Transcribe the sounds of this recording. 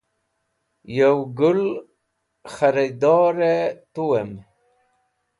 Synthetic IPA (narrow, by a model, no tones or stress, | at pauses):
jawɡʊl | χaɾid̪ɑːɾet̪uwem